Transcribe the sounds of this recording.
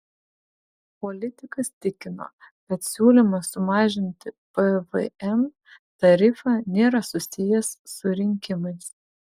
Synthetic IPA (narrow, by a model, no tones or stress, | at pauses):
pɔlʲɪt̪ʲɪkɐst̪ʲɪkʲɪno̰ː | kɐt̪sʲuːlʲɪmɐsʊmɑːʒʲɪnʲt̪ʲɪpɛʋɛ̰ɛm | t̪ɐɾʲɪfɑːnʲeːɾɐsʊsʲɪjɛsːʊɾʲɪŋʲkʲɪmɐɪs